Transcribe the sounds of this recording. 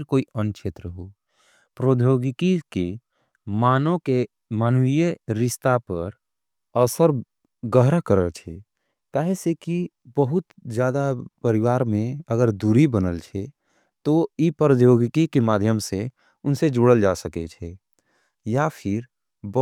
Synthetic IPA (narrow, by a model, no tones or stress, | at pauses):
ɾkoːiənt͡ʃʰeːt̪ɾəɦo | pɾoːd̪ʱjoɡɪkike | maːnõke | maːnujəɾɪst̪apəɾ | əsəɾ | ɡəɦɾəkəɾəlt͡ʃʰɛ | kaːɦeseki | bəɦʊt̪d͡ʒjaːd̪apəɾɪʋaːɾmẽəɡəɾd̪uɾibənəlt͡ʃʰɛ | t̪oipɾəd̪joːɡɪkikemaːd̪ʱjəmse | ʊnsed͡ʒuɽəld͡ʒasəket͡ʃʰɛ | japʰɪɾ | b